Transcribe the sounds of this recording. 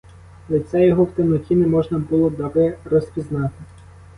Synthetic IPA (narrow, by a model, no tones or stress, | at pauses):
lˠesʲɛjɔɦɔwt̪ɪmnɔkʲinɛmɔʒnɐbulˠɔd̪ɐʋɪrɔspʲiznɑt̪ɪ